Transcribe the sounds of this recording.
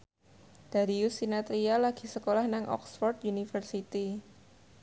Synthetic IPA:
d̥aɾiusinat̪ɾialaɡ̥i̤səkolahnaŋʔɔ̰ksfɔrt̪unifərsit̪i

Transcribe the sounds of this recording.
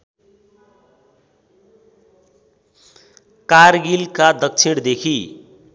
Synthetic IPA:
kaɾɡilkad̪ʌk̚t͡sʰiɽd̪ekʰi

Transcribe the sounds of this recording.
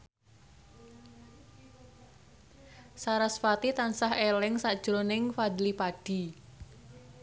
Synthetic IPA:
saɾasfat̪it̪ansaɦelɪŋsad̥ʒ̥ɾonɪŋfad̪lipaɖ̥i̤

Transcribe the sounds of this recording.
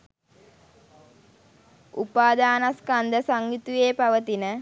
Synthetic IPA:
upaːd̪aːnaskand̪əsaŋɡit̪ujeːpaʋət̪inə

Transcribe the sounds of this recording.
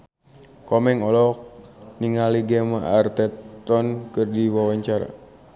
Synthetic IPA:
kɔmɛŋɔlɔ | niŋaliɡɛmaʔart̪ɛt̪ɔnkɨrdiwawaɲt͡ʃaɾa̰

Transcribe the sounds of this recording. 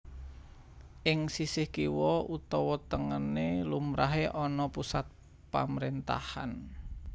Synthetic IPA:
ʔɪŋsisɪhkiwɔut̪ɔwɔt̪əŋənelumɾaɦeʔɔnɔpusat̪̚ | pa̰məɾent̪a̰han

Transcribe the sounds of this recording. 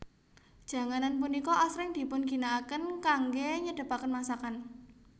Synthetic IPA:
d̥ʒ̥a̤ŋananp̬unikɔʔasɾɪŋd̪̥i̤pʊnɡi̤nakənkaŋɡeɲəɖ̥ə̤pakənmasakan

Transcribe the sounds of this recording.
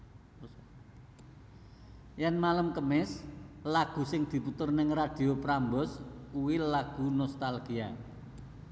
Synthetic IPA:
janmaləmkəmɪslaɡ̥ṳsɪŋd̪̥i̤put̪ərnɪŋrad̪̥i̤opɾambɔskuwilaɡ̥ṳnɔst̪alɡ̥ia

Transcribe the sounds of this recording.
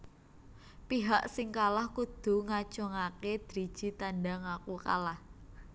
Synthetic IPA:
piɦaʔsɪŋkalahkud̪̥ṳŋat͡ʃɔŋaked̪̥ɾi̥ʒ̥i̤t̪anɖaŋakuka̰lah

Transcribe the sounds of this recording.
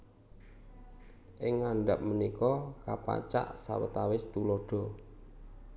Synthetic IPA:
ʔɪŋːaɳɖap̚mənikɔkapa̰t͡ʃa̰ʔsa̰wət̪awɪst̪ulɔɖ̥ɔ̤

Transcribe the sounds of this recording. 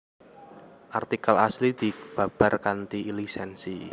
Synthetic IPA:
ʔart̪ikala̰slid̪̥i̤b̥a̤b̥a̤rkant̪iːlisɛnsi

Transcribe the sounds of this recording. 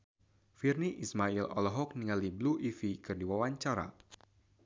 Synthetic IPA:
firniʔismailʔɔ̰lɔɦɔk̚niŋalibluʔifikɨrdiwawaɲt͡ʃaɾa̰

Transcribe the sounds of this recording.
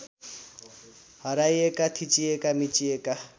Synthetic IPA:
hʌɾajekat̪ʰit͡siekamit͡sieka

